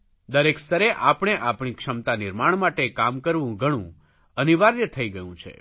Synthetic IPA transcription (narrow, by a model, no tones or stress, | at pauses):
d̪əɾekst̪əɾeʔapɽ̃eʔapɳ̃ikʃəmt̪anɪɾmaɳmaʈekamkəɾʋũɡʱəɽ̃ũ | əniʋaɾjət̪ʰəiɡəjũt͡ʃʰḛ